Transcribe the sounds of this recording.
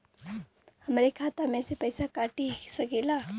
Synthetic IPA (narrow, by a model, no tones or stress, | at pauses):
həmeɾikʰat̪amesepəjsakaʈisəkila